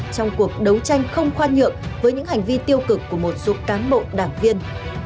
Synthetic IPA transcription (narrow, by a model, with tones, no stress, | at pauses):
t͡ɕɔ˧wŋ͡mku˨˩ək̚ɗə˨˦wt͡ɕa˧jŋ̟xə˧wŋ͡mxwaː˧nɲḭ˧˨əmvəː˨˦jɲɨ̰˧˥ŋha˨˩jŋ̟vi˧t̪i˧əwkɨ˨˩kːu˧˩əmo˨˩t̚so˨˦kaː˨˦nɓo̰˧˨ɗaː˧˩ŋvi˧ən